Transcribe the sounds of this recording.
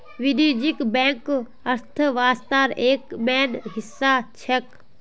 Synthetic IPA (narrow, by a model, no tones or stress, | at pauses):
ʋiniːd͡ʒikbɛ̃ːŋk | əɾt̪ʰəʋaːst̪aːɾeːkmɛːnɦɪsːaːt͡ʃʰɛk